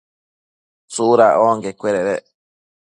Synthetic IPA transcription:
suɾaoŋɡekʷːweɾeɾe

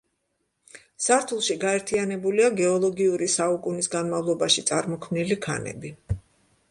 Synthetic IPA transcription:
saɾt̪ʰulˠʃiɡaɛɾt̪ʰianɛbuliaɡɛɔlˠɔɡiuɾisaukʼunisɡanmavlˠɔbaʃit̪sʼaɾmɔkʰmnilikʰa̰nɛ̰bi

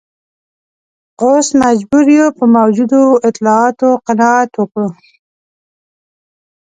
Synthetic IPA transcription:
qosmad͡ʒbuɾjopəmawd͡ʒud̪oɪt̪lɑɑt̪oqanɑat̪wokə

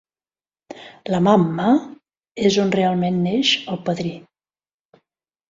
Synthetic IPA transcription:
ləmamːə | ezonrealˠmenːeʃəlˠpəðɾi

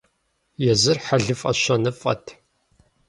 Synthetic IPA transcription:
jɛzɨrħaɮɨfʼɐ̰ɕɐnɨfʼɐ̰tʰ

